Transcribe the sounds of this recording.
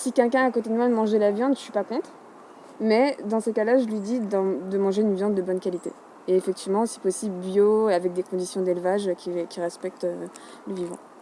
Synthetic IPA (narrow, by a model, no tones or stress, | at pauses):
sikʲɛlkʲɛ̃akot̪ed̪əmwad̪əmɑ̃ʒelavjɑ̃d̪ʃɥipakɔ̃t̪χ | mɛd̪ɑ̃səkalaʒəlɥid̪id̪ɑ̃d̪əmɑ̃ʒeynvjɑ̃d̪ːəbɔnkʲalit̪ḛ | eːfɛk̚t̪ʰivmɑ̃si̥pɔsibbjoavɛk̚d̪ekɔ̃d̪isjɔ̃d̪elvaʒkʲikʲiʁɛspɛk̚t̪ø | ləvivɑ̰̃